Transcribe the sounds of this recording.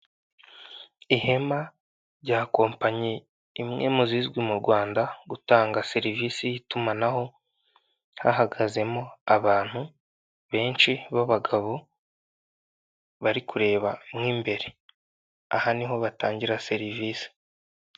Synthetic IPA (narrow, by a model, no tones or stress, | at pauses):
ihe̞ma | ɾɟaːko̞ːmpaɲe | imŋe̞̰ːmuzizɡwimuɾɡwaːndaɡutaːŋɡase̞ɾiviːsijitumanaho̞ | ha̰haɡaze̞mo̞aβaːn̥hu | βe̞ːnt͡ʃiβaβaɡaβo̞ | βaɾikuɾe̞ːβamŋiːmbe̞ɾe | a̰haniɦo̞βataːɲɟiɾase̞ɾiviːsi̥